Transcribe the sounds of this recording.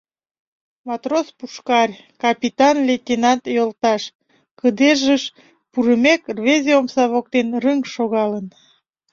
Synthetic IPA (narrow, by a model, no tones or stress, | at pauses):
mɑt̪rospuʃkɑrʲ | kɑpʲit̪ɑnlet̪enɑt̪jolt̪ɑʃ | kəd̪eʒəʃ | puɾəmekrβezʲeomsɑβok̚t̪enrəŋʃoɣɑlən